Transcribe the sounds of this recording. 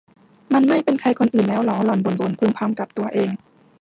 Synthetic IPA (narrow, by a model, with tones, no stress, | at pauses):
ma˧nma˥˩jpe˧nkʰa˧jkʰo˧nʔɯː˨˩nlɛː˦˥wlɔː˨˦lɔː˨˩nbo˨˩˦nbo˨˩˦npʰɯː˧mpʰa˧mka˨˩p̚t̪u˧ɐʔeː˧ŋ